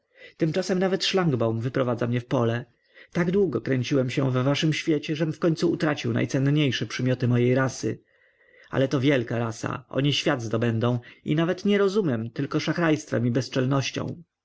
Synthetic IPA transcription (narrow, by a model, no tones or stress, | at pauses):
t̪ɘmt͡ʂasɛmnavɛt̪ʂlaŋɡbawmvɘpɾɔvad̪zamɲɛfpɔlɛ | t̪aɡd̪wuɡɔkɾɛɲt͡ɕiwɛmɕɛvːaʂɘmɕfʲjet͡ɕɛʐɛmfkɔɲʲt̪suːt̪ɾat͡ɕiwna̰jt̪sɛnɲejʂɛpʂɘmʲjɔt̪ɘmɔjejɾasɘ̰ | a̰lɛt̪ɔvʲjɛlkaɾasa̰ʔɔ̰ɲiɕfʲjad̪zd̪ɔbɛnd̪ɔ̃w̃ḭnavɛt̪ɲɛɾɔzumʲjɛmt̪ɘlkɔʂaxɾajst̪fɛmibɛst͡ʂɛlnɔɕt͡ɕɔ̰̃w̃